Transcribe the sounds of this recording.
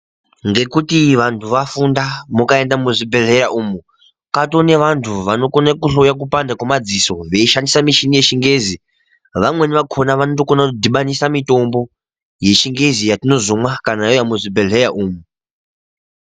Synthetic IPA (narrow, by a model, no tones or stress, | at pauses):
ŋɡe̞kutiʋantʰuʋafundamukae̞ndamuʐibʱe̞ɮe̞ɾaʔuːmu | kato̞ne̞ʋantʰuʋano̞konakuɬojak̬upandakwamad͡ziso̞ʋe̞iʃandisamiʃinije̞ʃiŋɡe̞zi | ʋamwe̞niʋakʰo̞naʋanot̬okonadiɓanisamito̞mbo̞ | je̞ʃiŋɡe̞zijatino̞zomwakanajojamuʐibʱe̞ɮeɾaʔuːmu